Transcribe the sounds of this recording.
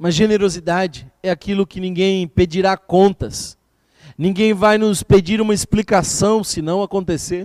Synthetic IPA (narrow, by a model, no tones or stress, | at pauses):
mɐzʒeneɾozid̪ad͡ʒɪɛakilʊkɪnĩɡẽj̃ped͡ʒiɾakõnt̪ɐs | nĩɡẽj̃vajnʊsped͡ʒiɾũmɐisplikasɐ̃w̃sɪnɐ̃w̃akõnt̪eseɾ